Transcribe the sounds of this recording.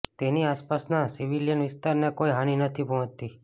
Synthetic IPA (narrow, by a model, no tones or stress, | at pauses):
t̪eniaspasnasiʋiljənʋɪst̪aɾnekoiɦaɽ̃inət̪ʰipɔə̃t͡ʃt̪ːi